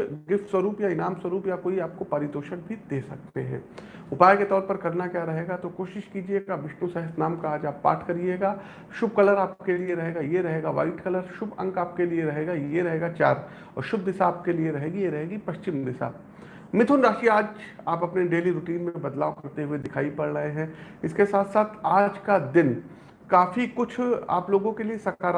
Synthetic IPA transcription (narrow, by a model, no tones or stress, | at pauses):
ɡɪfʈswɐɾuːpjaɪnaːmswɐɾuːpjakoːiaːp̚kopaɾɪd̪oːʃəɽbʱid̪eːsɐk̚t̪ḛɦɛ̰̃ː | ʊpaːjket̪ɔːɾpɐɾkɐɾnakjaːɾɐɦeːɡat̪okoːʃɪʃkiːd͡ʒiekaʋɪʃnusɛɦəsnaːmkaaːd͡ʒaːpːa̰ːʈʰkɐɾieːɡaː | ʃʊb̚kɐləɾaːp̚kelieɾɐɦeːɡajeɾɐɦeːɡaʋa̰ːɪʈkɐləɾʃʊbɐ̰̃ŋɡaːp̚kelieɾɐɦeːɡajeɾɐɦeːɡat͡ʃaːɾ | ɔ̰ːɾʃʊb̚d̪ɪsaːp̚kelieɾɐɦeːɡijeɾɐɦeːɡipɐʃt͡ʃɪmd̪ɪsa̰ː | mɪt̪ʰʊnɾaːʃiaːd͡ʒaːpɐpneɖeːliɾʊʈiːnmẽbɐd̪laːokɐɾt̪eɦʊed̪ɪkʰaːipɐɽɽɐeɦɛ̃ | ɪskesaːt̪ʰsaːt̪ʰaːd͡ʒkad̪ɪn | kaːfikʊt͡ʃʰa̰ːploːɡõkeliesɐɾkaːɾ